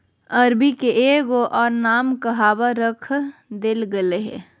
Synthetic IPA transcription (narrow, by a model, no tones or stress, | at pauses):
əɾbikeʔeːɡoʔɔːɾnaːmkɐɦaːbaɾəkʰd̪elɡəleɦɛ̰̃ː